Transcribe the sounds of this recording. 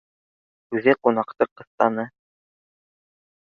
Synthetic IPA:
ʉðɘqunɑqt̪ɤqɤ̆θt̪ɑnɤ

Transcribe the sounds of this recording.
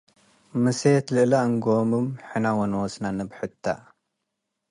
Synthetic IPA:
mɨset̪lɨʔlaɨŋɡomumħɨnawonɐwɔsnanɐbħɨt̪ʰːa̰

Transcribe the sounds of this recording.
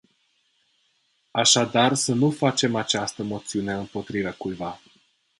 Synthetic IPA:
aʃad̪arsənufat͡ʃe̞mat͡ʃast̪əmo̞t̪siune̞ɨmpo̞t̪ɾivəkujva

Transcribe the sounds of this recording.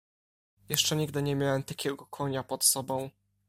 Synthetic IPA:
jɛʂt͡ʂɛɲiɡd̪ɘɲɛmʲjawɛmt̪akʲɛɡɔkʰɔɲapɔt̪sɔbɔ̃w̃

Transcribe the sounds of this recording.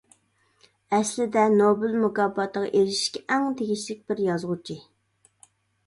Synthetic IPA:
ɛslɪd̪ɛnobɪlmuɡɑbɑt̪əʁɑ̰ʔeɾɪʃkʲɛʔɛŋd̪eɡʲiʃlɪk̚ʲbɪɾjɑzʁut͡ʃʰi

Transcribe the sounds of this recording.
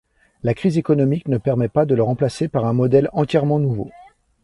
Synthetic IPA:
lakχizekɔnɔmiknəpɛʁmɛpad̪ələʁɑ̃plasepaʁɛ̃mɔd̪ɛlɑ̃t̪jɛʁmɑ̃nuvo̰

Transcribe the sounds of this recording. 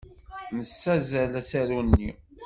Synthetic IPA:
nəsːæzælæsæɾunːi

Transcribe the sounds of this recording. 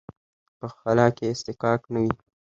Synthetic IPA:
pəxalɑkeːst̪ɪkɑknawi

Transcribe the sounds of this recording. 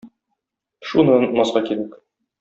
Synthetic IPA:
ʃunɤnmɒsqɑkiɾæk

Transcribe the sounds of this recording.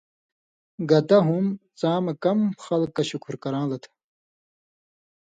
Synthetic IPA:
ɡɐt̪ɐɦumt͡sãːmɐkɐmxɐlkːɐɕukʰuɾkɐɾãːlɐt̪ʰ

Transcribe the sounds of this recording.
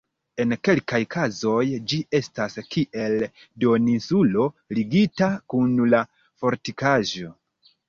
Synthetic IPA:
e̞nke̞lkajkʰazo̞jd͡ʒie̞staskiʔe̞l | do̞ninsulo̞liɡitakunla | fo̞ɾtikaʒo̞

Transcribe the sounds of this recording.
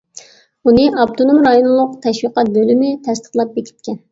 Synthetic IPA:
unɨʔɑp̚t̪ʰonumɾɑjonlˠʊqt̪ʰɛʃwiqɑt̪̚bølymɪt̪ʰɛst̪ə̥χlˠɑp̚bekʲʰi̥t̪̚kʲɛn

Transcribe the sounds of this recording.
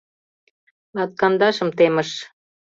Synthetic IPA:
lɑt̪̚kɑnd̪ɑʃə̆mt̪emə̆ʃ

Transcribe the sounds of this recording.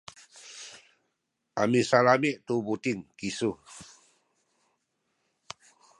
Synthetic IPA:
ʔamisalamiʔt̪ubut̪ɪŋkisu

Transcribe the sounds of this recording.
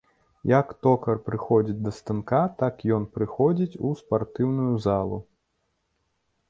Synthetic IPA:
jɐkt̪ɔkɐrpɾɨxɔd͡zʲid͡zʲd̪ɐst̪ɨnkat̪akjɔnpɾɨxɔd͡zʲit͡sʲuspart̪ɨwnujuzalˠṵ

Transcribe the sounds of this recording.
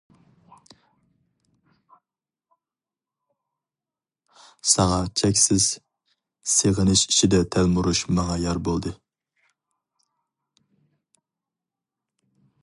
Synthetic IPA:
sɑŋɑt͡ʃʰɛkʲsɪz̥ | seʁənɨʃi̥t͡ʃʰid̪ɛt̪ʰælmuɾuʃmɑŋɑjɑɾbolˠd̪ɨ

